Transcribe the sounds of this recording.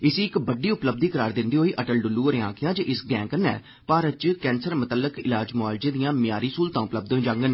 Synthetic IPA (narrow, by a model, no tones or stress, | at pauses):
ɪsiːɪkbəɖiːʊpləb̚d̪iːkəɾaːɾd̪ɪnd̪iːɦoːiːʔəʈəlɖʊlːuːəɾeãːkʰɪjãːd͡ʒəʔɪsɡɛ̃ːŋkənɛ̰ː | paːɾət̪t͡ʃkɛ̃ːnsəɾmət̪əlːəkɪ̰laːd͡ʒmʊaːld͡ʒẽːd̪ijãːmɪjaːɾiːsuːlt̪ãːʊpləb̚d̪ẽːd͡ʒãːŋɡən